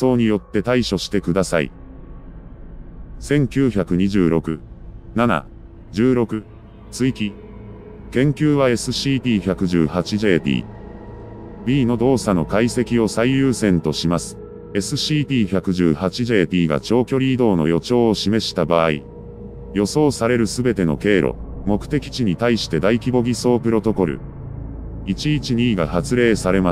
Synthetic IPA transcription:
so̞ːɲ̟ijo̞t̪ːe̞t̪aiɕo̞ɕi̥t̪e̞kɯ̟d̪asaḭ | sẽ̞ŋkʲɨːçakɯ̟ɲ̟iʑɨːɾo̞kɯ̟nana̰ | d͡ʑɨːɾo̞kɯ̟ | t͡sɨikʲi | kẽ̞ŋkʲɨːβae̞sɨɕiːpʲiːçʲakɯ̟ʑɨ̰ːhat͡ɕiʑe̞ːpʲḭː | bʲiːno̞d̪o̞ːsano̞kaise̞kʲio̞saijɯːsẽ̞nt̪o̞ɕimasɨ̥ | e̞sɨɕiːpʲiːçʲakɯ̟ʑɨːhat͡ɕiʑe̞ːpʲiːɡa̰t͡ɕo̞ːkʲo̞ɾʲiːd̪o̞ːno̞̰jo̞t͡ɕo̞ːɕime̞ɕi̥t̪abaːḭ | jo̞so̞ːsaɾe̞ɾɯ̟sɨbe̞t̪e̞no̞̰ke̞ːɾo̞̰mo̞kɯ̟̥t̪e̞kʲi̥t͡ɕiɲ̟it̪aiɕi̥t̪e̞d̪aikʲibo̞ɡʲiso̞ːpɯ̟ɾo̞t̪o̞ko̞ɾɯ̟̰ | it͡ɕiit͡ɕiɲ̟iːɡahat͡sɨɾe̞ːsaɾe̞mḁ

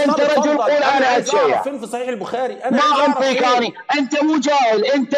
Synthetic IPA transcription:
ʔɪnt̪aɾˤɑd͡ʒʊlquːlʔanaʔad̪ʃaja̰ | amaʔɑnt̪ˤiːkaːniʔɪnt̪amuːd͡ʒaːhɪlʔɪnt̪a

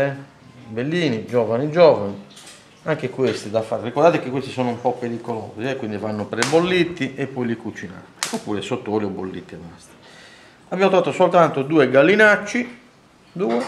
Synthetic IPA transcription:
ɛ | belːiːnid͡ʒɔːvanid͡ʒɔːvani | aŋk̟ekwest̪id̪afaːɾrikɔɾd̪aːt̪ekekːwest̪isɔːnoumpɔpːeɾikɔlo̰ːziɛkːwind̪ivanːopɾɛbolːit̪ːiʔɛpːɔilikut͡ʃina̰t̪iopːṵːɾɛsot̪ːoːliɔbolːit̪ːiɛmast̪i̥ | abamt̪ɾɔvaːt̪osolt̪ant̪od̪uːɛɡalːinat͡ʃːi | d̪uːɛ

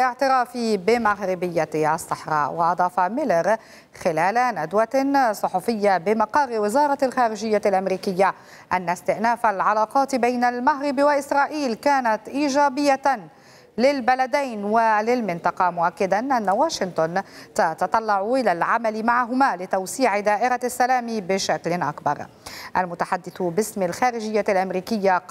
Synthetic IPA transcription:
lʔɪʕt̪ɪɾɑːfibɪmaɣɾɪbɪjːaʔɑsˤːɑħɾˤɑ̰ːʔwɪʔɑd̪ˤɑːfamɪlɾ | xɪlaːlanad̪wasˤʊħufɪjːabɪmɑqɑrːɪwɪzɑːɾˤɑlxaːɾɪʒɪjːalʔamɾiːkɪjːa | ʔanːast̪ɪʔnaːfalʕalɑːqɑːt̪bajnalmaɦɾɪbiwaʔɪsɾˤɑːʔiːlkaːnat̪ʔiːʒaːbɪjːa | lɪlbalad̪ajnwalɪlmɪnt̪ˤɑqɑmʊʔakːad̪anʔanːawaːʃɪnt̪ʊnt̪ɑt̪ɑt̪ˤɑlːɑʕʊʔɪlalʕamalɪmaʕaɦʊmaːlɪt̪awsiːʕɪd̪aːʔɪɾasːalaːmibɪʃaklɪnʔa̰kbɑ̰ɾˤ | ʔalmʊt̪aħad̪ːɪθʊbɪsmɪlxaːɾɪʒɪjːalʔamɾiːkɪjːa

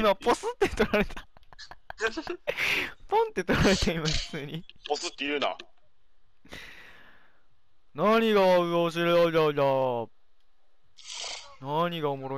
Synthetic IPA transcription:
maposɨt̪ːet̪o̞ɾaɾe̞t̪ḁ | põnt̪ːet̪o̞ɾaɾe̞t̪aimaɸɯ̟̥t͡sɨːɲ̟iposɨt̪ːejɯ̟ːna̰ | naɲ̟iɡaɯoɕ̬iɾeajaja | naɲ̟iɡaomo̞ɾo

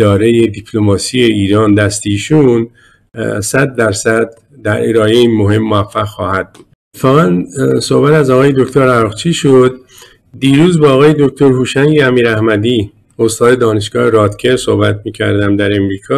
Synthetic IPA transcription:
ɒːɾe̞je̞d̪ipʰlo̞mɒːsije̞iːɾɒːnd̪æst̪eiːʃun | sæd̪ːæɾsæd̪ː | æɾe̞ɾɒːeiːnmo̞ɦe̞mːoæfːæɣxɒːhæd̪̥̚buːd̪̥ʰe̥fɒːɣænso̞hbæt̪æzɒːɣɒːje̞d̪o̞kʰt̪ʰoɾæɾɣt͡ʃʰiːʃod̪ | d̪iːɾuːzbeːɣɒːje̞d̪okʰt̪ʰo̞ɾhuːʃæŋɟeæmiːɾæhmæd̪iː | ost̪ɒːd̪e̞d̪ɒːne̞ʃɡ̥ɒːheɾɒːt̪cʰe̞ɾso̞̰hbæt̪̚ʰmiːcʰæɾd̪æmd̪æɾe̞mɾiːkʰɒː

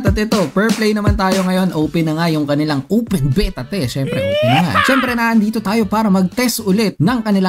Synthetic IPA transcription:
t̪ɐt̪ɪt̪o̞pɛɹplejnɐmɐnt̪aːjo̞ŋɐjo̞nʔoːpɛnɐŋajʊŋkɐnɪlaŋʔoːpɛnbɛt̪ɐt̪ɛʃɛmpɾɛ̰ʔoːpɛnɐŋa̰ʃɛmpɾɛnaːʔɐnd̪iːt̪o̞t̪aːjo̞paːɾɐmɐɡ̚t̪ɛst̪ʔʊlɛt̪̚nɐŋkɐnɪla

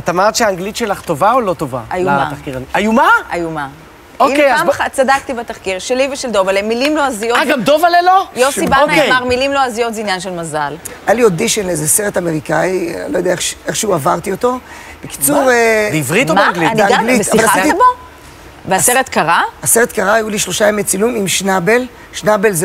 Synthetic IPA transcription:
at̪amaʁt̪ʃeaːŋɡlit̪ʃelaχt̪ovaolot̪ova̰ajuma̰aχkiʁaniajumaajuma | oikeamχat͡sadak̚t̪ibat̪aχkiʁʃeliveʃeld̪o̞valemilimloazijoaɡamd̪ovalelojoʃsibaonamaʁmilimloazijo̞tzinjanʃelmazalajaliod̪iʃenleezeseʁet̪ameʁikailojodeaeχʃeχʃeuavaʁt̪iot̪o̞ | b̥eki̥t͡suʁvʁitomaɡiaaaɡliavalaitiabo | veaseʁet̪kaʁaaseʁet̪kaʁaajuliʃlo̞ʃaemet͡silumimʃnabel | ʃnabe̞lze

